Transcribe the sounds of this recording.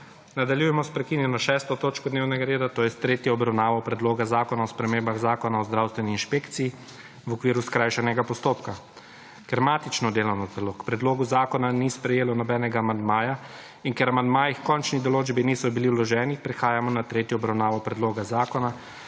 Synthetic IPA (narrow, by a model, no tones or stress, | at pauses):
nad̪aljujɛmɔspɾɛkinjɛnɔʃɛːst̪ɔt̪oːt͡ʃkɔd̪neːwnɛɡaɾeːd̪at̪oːjɛst̪ɾeːt̪jɔɔbɾawnaːʋɔpɾɛd̪loːɡazaːkɔnaɔspɾɛmeːmbaɣzaːkɔnaɔzd̪ɾawst̪ʋɛniinʃpeːkt̪siji | ʋɔkʋiːɾuskɾaːjʃɛnɛɡapɔst̪oːpka | kɛɾmaːt̪it͡ʃnɔd̪eːlɔwnɔzalokpɾɛd̪loːɡuzaːkɔnanispɾɛjeːlɔnɔbɛːnɛɡaːmand̪maːja | inkɛɾamand̪maːjixkɔnt͡ʃnid̪ɔloːd͡ʒbinisɔbiliwlɔʒɛːnipɾɛxaːjamɔnat̪ɾeːt̪jɔɔbɾawnaːʋɔpɾɛd̪loːɡazaːkɔna